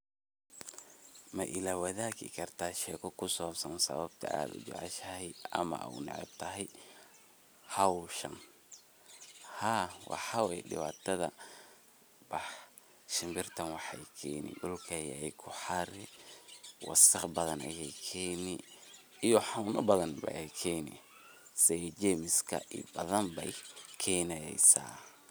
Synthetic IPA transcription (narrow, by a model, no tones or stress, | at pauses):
mɐʔɪlaːwɐðaːkɪ̰kʰɐrt̪ʰaːʃɛːkʰɔkʰʊsɔːsɔnsɐ̰βɐbt̪ʰɐ̰ʔa̰ːd̪ʊ̰d͡ʒɛ̰ʕɑʃɐhɛɐ̰mɐ̰ʔwnɪ̰ʕɛ̰b̚t̪ʰɐɦɛj | hɑwʃɐn | haːwɑ̰ħɑwɛjɖɪ̰waːt̪ʰɐðɐ̰ | bɑħ | ʃɪmbɪrt̪ʰɐnwɑħɑjkʰɛːnɪ̰ɗʊlkʰɐjɛ̰jɛjkʰʊħɑɾɪ | wɑ̰sɐqbɐðɐnɐ̰jɛjkʰɛːnɪ | ijɔħɑwnɐbɐðɐnbɐ̰ɛjkʰɛːnɪ̰ | sɛd͡ʒɛmɪskʰɐ̰ʔḭbɐðɐnbɛjkʰɛːnɛjɛ̰jsa̰ː